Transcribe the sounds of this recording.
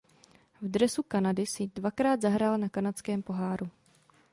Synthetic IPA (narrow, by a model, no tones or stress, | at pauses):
vdɾɛsukanadɪsɪdvakɾaːd̪zaɦɾaːlnakanat͡skɛːmpo̞ɦaːɾu